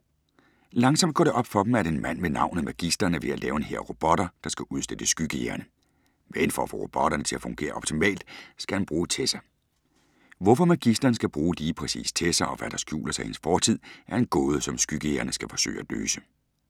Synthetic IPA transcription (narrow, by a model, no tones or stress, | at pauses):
lɑ̈ŋsɒ̽m̰d̥̚ɡ̥ɒ̰ːɾe̝ʔɒ̽b̥fɒ̽b̥m̩æɐdɾe̝nmæn̰ʋenɑ̈ʊ̰nð̩ˠmæɡ̥isd̥ɐnəʋe̝ælɛːʊe̝nheɐ̰ʁo̝b̥ɒ̽ɾ̥ɐd̥ɑ̈sɡ̥æʔuð̞ˠsd̥ed̥əsɡ̥yɡ̥əjeɐnə | meenfɒ̰ːfɒ̰ːʁo̝b̥ɒ̽ɾ̥ɐnət͡sʰe̝læfɔ̽ŋɡ̥e̝̰ːɐɒ̽b̥t͡sʰimɛ̰ːld̥sɡ̥æhænb̥ʁuːt͡sʰesɐ | ʋɒfɒ̽mæɡ̥isd̥ɐːnsɡ̥æb̥ʁuːliːpʰʁɛsḭːst͡sʰe̝sɐʔɒ̽ʋæd̥ɑ̈sɡ̥jṵːlɐsɑ̈ɪhensfɒːt͡sʰið̰ˠʔæɐe̝nɡ̥ɔːð̞ˠəsɒ̽msɡ̥yɡ̥əjeɐnəsɡ̥æfɒ̽sø̰ːɪæ̥lø̰ːsə̥